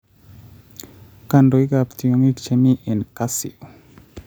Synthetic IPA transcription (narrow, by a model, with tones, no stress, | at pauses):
ka˨ndo˨i˦ɡa˨pti˨o˨ŋi˦tt͡ʃe˨mi˦ʔe˨nka˦sɪ̰˨o˨